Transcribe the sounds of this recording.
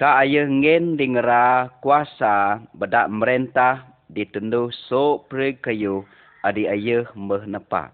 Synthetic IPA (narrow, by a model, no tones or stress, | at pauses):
kaʔajəhŋɛndiŋəɾakuasabədaʔməɾent̪ah | dit̪unduhsoʔpəɾəɡ̚kəju | adiajəhmbəhnəpa̰ʔ